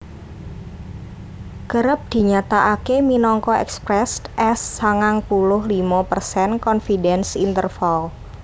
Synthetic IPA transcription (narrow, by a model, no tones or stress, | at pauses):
ɡ̥əɾəp̚d̪̥i̤ɲat̪aʔakeminɔŋkɔɛ̰kspɾɛsʔɛsːaŋaŋpulʊhlimapərsɛnkɔnfidɛnsint̪ərfal